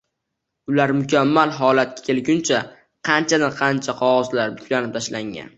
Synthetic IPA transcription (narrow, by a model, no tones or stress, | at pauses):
ʊlaɾmʊkʲamːalɦɒlat̪̚kʲḁkʲʰe̞lɡʲʊnt͡ʃʰa | qʰɑnt͡ʃʰad̪anqʰɑnt͡ʃʰaqʰɒʁɒzlaɾbʊkʲlanɪp̚t̪ʰaʃlaŋa̰n